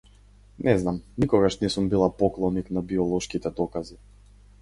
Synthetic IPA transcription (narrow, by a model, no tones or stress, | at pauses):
nʔɛznamnikɔɡaʃnɛsumbilˠapɔklˠɔniknabiɔlˠɔʃkit̪ɛd̪ɔkazi